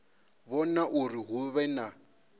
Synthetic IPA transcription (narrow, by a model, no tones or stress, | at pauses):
βɔnaʔʊriɦʊβɛna